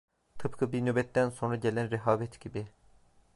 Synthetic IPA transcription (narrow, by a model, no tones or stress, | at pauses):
t̪ʰɯpkʰɯbinøbɛt̪ːænso̞nɾaɟelʲænɾɛɦaːbɛt̪ɟibi